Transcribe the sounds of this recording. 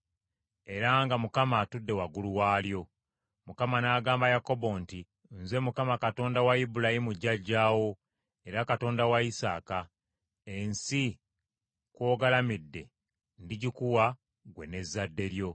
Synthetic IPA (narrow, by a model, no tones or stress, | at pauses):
e̞ɾaŋɡamukamaːtudːe̞waɡuluwaːljo̞ | mukamanaːɡaːmbajako̞bo̞nti | nze̞mukamakato̞ːndawaibulahimuɟːaɟːaːwo̞ | e̞ɾakato̞ːndawaisa̰ːka | ensi | kwo̞ːɡalamidːe̞ | ndiɟikuwa | ɡwe̞ne̞zːadːe̞ɾjo̞